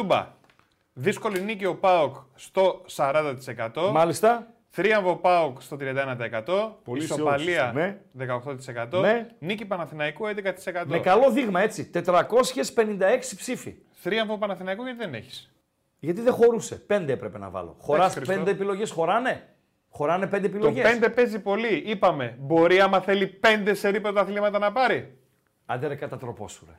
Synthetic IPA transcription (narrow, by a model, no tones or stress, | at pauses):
ubɐ̰ | ðisko̞linicio̞pɐokst̪o̞sɐɾɐnd̪ɐt̪i̥sekɐt̪o̞mɐlist̪ɐ | θɾiɐɱvopɐokst̪o̞t̪ɾiɐnd̪ɐenɐt̪ɐekɐt̪o̞polisopliɐneðekɐoxt̪ot̪isekɐt̪onenicipɐnɐθinɐikued̪ekɐt̪i̥se̞kɐt̪mmekɐlo̞ðiɣmɐe̞t͡sit̪e̞t̪ɾɐko̞sçe̞spe̞nind̪ɐe̞ksi̥psifḭ | θɾiɐmpopɐnɐθinɐikoʝɐt̪iðeneçi̥s | ʝɐt̪̬iðexo̞ɾuse̞pe̞nd̪eepɾepe̞nɐ̰vɐ̰lo̰xo̞ɾɐspe̞nd̪epilo̞ʝe̞sxo̞ɾɐne̞ | xo̞ɾɐne̞pend̪epiloʝepe̞nd̪epe̞zipo̞liipɐme̞bo̞ɾiɐmɐθe̞lipe̞nd̪eseɾipeot̪ɐθlimɐt̪ɐnɐpɐɾi | ɐ̰d̪eɾekɐt̪ɐt̪ɾo̞po̞̰suɾḛ